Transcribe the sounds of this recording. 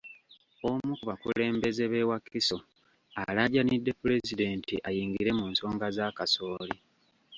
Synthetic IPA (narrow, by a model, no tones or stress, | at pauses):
omukuβakule̞ːmbe̞ze̞βe̞wakːiso | alaɟanidːe̞pule̞zide̞ntḭʔajiːŋɡiɾe̞muːnso̞ːŋɡazaːkaso̞ːli